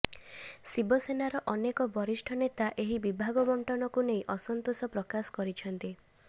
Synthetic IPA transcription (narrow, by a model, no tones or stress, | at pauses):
sibɔsenaɾɔʔɔnekɔbɔɾisʈʰɔnet̪aʔeɦibibʱaɡɔbɔɳʈɔnɔkuneĩʔɔsɔnt̪osɔpɾɔkasɔ̥kɔɾit͡ʃʰɔnt̪i